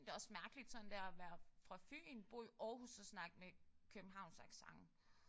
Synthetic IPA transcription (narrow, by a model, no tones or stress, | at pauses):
d̥e̝ɒ̽smæɐɡ̥əlid̥sɒ̽nd̥æɐɒʋæːɐfʁɑ̈fy̰ːinb̥o̝̰iʔɒːɦusəsnɑ̈ɡ̥mekʰøb̥n̩ɦɑ̈ʊ̰nsæɡ̥sɑ̈ŋ